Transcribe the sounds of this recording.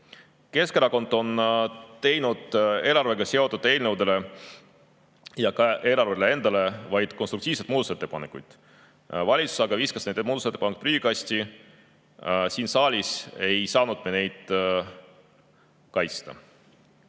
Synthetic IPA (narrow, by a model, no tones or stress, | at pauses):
ke̞skeɾɑko̞nd̪̥o̞nt̪e̞jnud̪̥e̞ːlɑrveɡ̥ɑse̞o̞t̪ːˑud̪̥ˑe̞ːlne̞wd̪e̞le̞ | jɑkɑʔe̞ːlɑɾvelee̞nd̪̥ɑle̞vɑjd̪̥konst̪ɾuk̚t̪iːvset̪muːd̪use̞t̪ːepɑnekːˑujd̪̥ | vɑlʲit̪su̥sɑɡ̥ɑviskɑsned̪emuːd̪uset̪ːepɑnekt̪pryːɡʲikɑsʲt̪i | siːnsɑːlʲise̞jsɑːnud̪̥̚mene̞jd̪̥ | kɑjt̪st̪ɑ̰